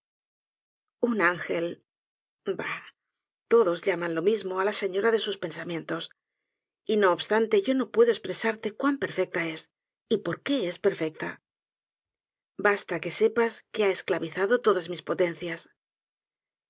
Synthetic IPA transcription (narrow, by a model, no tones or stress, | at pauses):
unaŋxe̞l | ba | t̪o̞ðo̞zʎamanlo̞mizmo̞alase̞ɲo̞ɾaðe̞suspe̞nsamjẽ̞nt̪o̞s | ino̞ːβst̪ant̪e̞ʝo̞no̞pwe̞ðoe̞spɾe̞saɾt̪e̞kwampe̞ɾfe̞k̚t̪ae̞s | ipo̞ɾke̞espe̞ɾfe̞k̚t̪a | bast̪ake̞se̞paskeae̞sklaβiθaðo̞t̪o̞ðazmispo̞t̪e̞nθjas